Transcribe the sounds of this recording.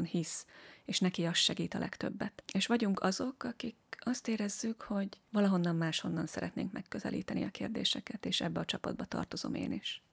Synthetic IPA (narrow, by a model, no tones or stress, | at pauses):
nhiseːʃnɛkiɒst̪ʃɛɡiːt̪ɒlʔɛkt̪ø̞̰bːɛt̪eːʃʋɒɟuŋkɒzo̞kɒkikɒst̪eːɾɛzːykho̞ɟʋɒlɒɦo̞nːɒmmaːʃho̞nːɒnsɛɾɛt̪neːŋkmɛkːø̞zɛ̰lḭːt̪ɛniɒkeːrd̪ḛːʃɛkɛt̪eːʃɛ̰bːɛɒt͡ʃɒpɒ̰d̪̚bɒt̪ɒ̰rt̪o̞zo̞̰mḛːniʃ